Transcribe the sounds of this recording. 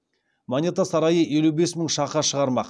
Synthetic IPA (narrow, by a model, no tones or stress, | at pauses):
monʲet̪asɑɾɑjəe̞lube̞sməɴʃɑqɑʃəʁɑɾmɑq